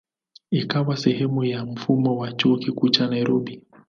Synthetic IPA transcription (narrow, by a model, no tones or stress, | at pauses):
ikawasɛhɛmujam̩fumɔwat͡ʃuɔkikut͡ʃanaiɾɔbi